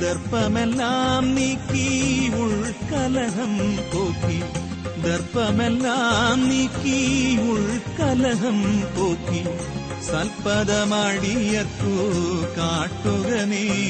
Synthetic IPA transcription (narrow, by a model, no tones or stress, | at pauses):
d̪ɐɾpɐmɛlːaːmniːkːiʊɻkːɐlɐɣɐmpoːki | d̪ɐɾpːɐmɛlːaːmniːkːiʊɻkːɐlɐɣɐmpoːkːi | sɐlpɐðɐmaːɽijɐkːukaːʈːuɣɐne